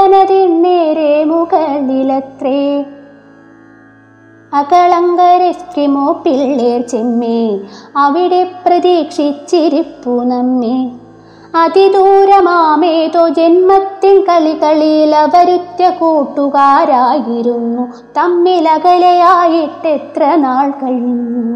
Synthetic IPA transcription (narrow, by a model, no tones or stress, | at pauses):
ɐnɐd̪inneːɾemukɐɭilɐt̪ɾeː | ɐkɐɭɐŋɡɐɾestɾimoːpiɭːeːɾt͡ʃemːeɐʋiɽepɾɐd̪iːkʂit͡ʃːiɾipːunɐmːi | ɐd̪id̪uːɾɐmaːmeːt̪od͡ʒenmɐt̪ːinkɐɭikɐɭilɐʋɐɾut̪jɐkoːʈːukaːɾaːjiɾunːu | t̪ɐmːilɐkɐlɐjaːjiʈːet̪ɾɐnaːɭkɐɻunːu